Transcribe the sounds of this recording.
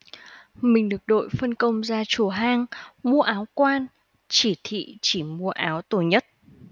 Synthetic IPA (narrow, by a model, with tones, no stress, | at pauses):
mï˨˩ŋ̟ɗɨ˨˩ək̚ɗo̰˧˨jfə˧nkə˧wŋ͡mzaː˧t͡ɕu˨˧˩ɦaː˧ŋmu˧əʔaː˨˦wkwaː˧n | t͡ɕi˧˩t̪ʰḭ˧˨t͡ɕi˧˩mu˧əʔaː˨˦wt̪o˧˩ɲə˦˥t̚